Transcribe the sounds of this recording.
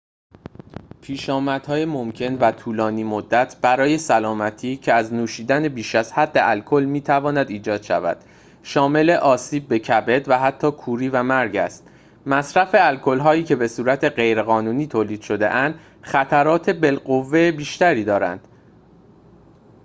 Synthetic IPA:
pʰiːʃɒːmæd̪̥hɒːjemomcʰe̞nvæt̪ʰuːlɒːniːmod̪ːæt̪ʰb̥æɾɒːje̞sælɒːmæt̪ʰiːcʰe̞æznuːʃiːd̪æne̞biːʃæz̥hæd̪ːeʔælkʰo̞lmiːt̪ʰævɒːnæd̪iːd͡ʒɒːd̪̥ʃæ̰væ̰d̪̥ | ʃɒːme̞le̞ʔɒːsiːb̚ːe̞cʰæbe̞d̪væɦæt̪ʰːɒːkʰuːɾiːvæmæɾɟæ̰st̪ | mæsɾæfe̞ælkʰo̞lɦɒːiːcʰe̞be̞suːɾæt̪ʰeɢe̞jɾeɣɒːnuːniːt̪ʰoːliːd̪̥ʃo̞d̪e̞̰ʔænd̪̥ | xæt̪ʰæɾɒːt̪ʰe̞be̞lɢo̞vːebiːʃt̪æɾiːd̪ɒːɾæ̰nd̪̥

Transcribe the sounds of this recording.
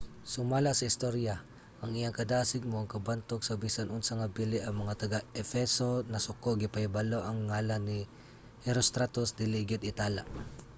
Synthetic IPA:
sʊmaːlasɐɪst̪oɾja | ʔɐŋɪjaŋkɐd̪aːsɪɡ̚moʔɐŋkɐbant̪ok̚sɐbisanʔʊnsɐŋɐbilɪʔɐŋmɐŋat̪ɐɡaɛfɛsonɐsʊkoɡɪpɐjbaloʔɐŋːaːlanːi | hɛɾost̪ɾat̪osd̪ɪliɡɪt̪ɪt̪ala̰

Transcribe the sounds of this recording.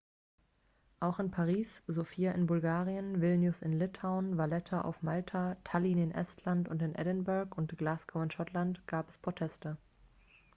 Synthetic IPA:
ʔaʊxɪnpʰaʁiːszofiːaʔɪnbʊlɡaːʁiənvɪlnjʊsɪnlɪtʰaʊnvalɛtʰaʔa̰ʊfmaltʰatʰaliːnɪnʔɛ̰stʰlantʊntɪnʔɛ̰dənbɛɐkʊntɡ̥laːsɡ̥oɪnʃɔtlantɡ̥aːpɛ̥spʁ̥otʰɛstə

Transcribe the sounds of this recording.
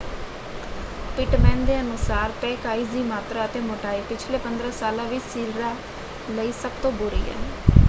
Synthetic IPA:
pɪʈmɛ̃ːnd̪eːənʊsaːɾpɛːkaːiːziːmaːt̪ɾaːət̪eːmoːʈaːilpɪt͡ʃʰleːpənd̪ɾãːsaːlãːʋɪsiːɾɾaː | ləiːsəb̚t̪õːbʊɾḭːɦɛ̰ːn

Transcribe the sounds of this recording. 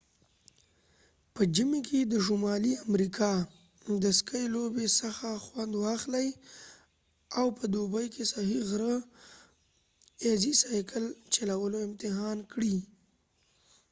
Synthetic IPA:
pəd͡ʒimekʰed̪əʃumɑliamɾikʰɑ | d̪əskəjlobesəxaxwand̪wɑxləj | awpəd̪obəjkʰesahiɣɾə | ezisɑjkʰəlt͡ʃalawəloɪmt̪ɪɦɑnkɽi

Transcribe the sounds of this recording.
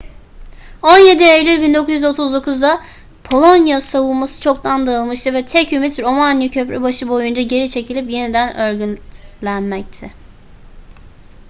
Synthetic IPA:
o̞njed̪ielʲybind̪o̞kʰuzjyzo̞t̪ʰuzd̪o̞kʰuzd̪a | pʰo̞lˠo̞njasavulˠmasɯ̥t͡ʃʰo̞kt̪ʰand̪aɯlˠmɯʃt̪ʰɯvɛt̪ʰɛcymit̪ɾo̞manjicʰø̞pɾɛbaʃɯbo̞jund͡ʒaɟe̞ɾit͡ʃʰe̞cʰilʲipje̞nid̪ænøɾɟynlʲænmɛc̚t̪ʰɛ

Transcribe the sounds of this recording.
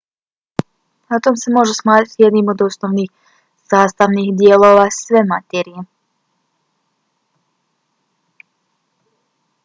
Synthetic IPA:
nat̪omse̞mo̞ʒesmaːt̪it̪je̞d̪nimo̞d̪o̞snoʋniːx | z̥aːst̪aʋniɣd̪jelˠo̞ːʋasʋemat̪eɾije

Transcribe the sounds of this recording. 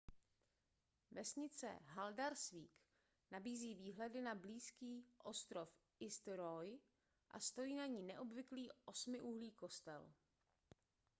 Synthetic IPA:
vɛsɲɪt͡sɛ̰ɦaldaɾsviːk | nabiːziːviːɦlɛdɪnabliːskiːʔost̪ɾo̞fʔɪst̪ɾoj | ʔa̰st̪o̞jiːnaɲiːnɛʔo̞bvɪkliːʔo̞smɪʔuɦliːko̞st̪ɛ̰l

